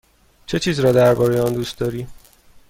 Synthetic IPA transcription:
t͡ʃʰe̞t͡ʃʰiːzɾɒːd̪æɾbɒːɾe̞jeɒnd̪ust̪̚d̪ɒːɾiː

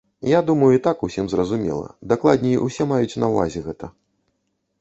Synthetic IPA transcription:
jad̪umɐjuit̪akusʲimzrɐzumʲɛ̰lˠɐ̰d̪aklˠad̪ʲnʲɛiʔusʲɛmajut͡sʲnɐwva̰zʲɛɣɛt̪ɐ

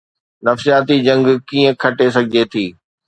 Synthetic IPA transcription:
nɐfsijaːt̪id͡ʑɐ̃ŋɡkiːə̃kʰɐʈes̬ɐɡʱɪd͡ʑet̪ʰiː

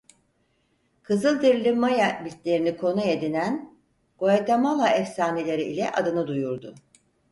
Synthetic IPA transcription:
kʰɯzɯlˠd̪ɯɾlʲɯmajabit̪lʲe̞ɾinikʰo̞najed̪inæn | ɡ̥ojad̪amalˠaɛfsaːnelʲe̞ɾiʔilʲɛʔad̪ɯnɯd̪ujuɾd̪ʊ

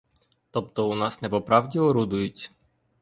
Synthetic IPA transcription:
t̪ɔp̚t̪ɔunasnɛpɔpɾavɟʲivɔɾud̪uicʲ

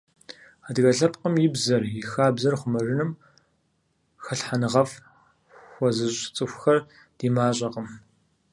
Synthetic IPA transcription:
aːdɣɐɬɐp̚ʼqʼəmjɪbzɐrjɪxaːbzɐrχʷʊmɐrɪnɨm | xɐɬħanɨʁɐf | xʷɔzɨɕʼt͡sʼɨxʷxɐr | d̥iːmaːɕʼɐqəm

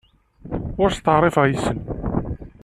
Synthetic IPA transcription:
ʊɾst̪əʕɾˤɪfʁjisən

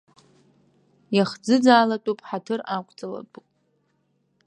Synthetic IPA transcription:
jaχd͡zɨd͡zaːlatʼupʼħatʰɨrakʷʼt͡sʼala̰tʼupʼ

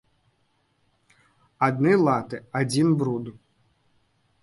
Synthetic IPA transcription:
ad̪nɨlˠat̪ɨad͡zʲinbɾud̪u

